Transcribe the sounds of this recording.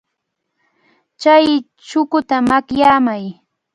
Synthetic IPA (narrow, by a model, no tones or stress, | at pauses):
t͡ʃaj | t͡ʃʊkʊt̪amakjaːmaj